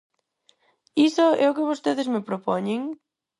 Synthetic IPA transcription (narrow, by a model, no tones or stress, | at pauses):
isʊɛʊkɪβost̪eðɪzmɪpɾopɔɲeŋ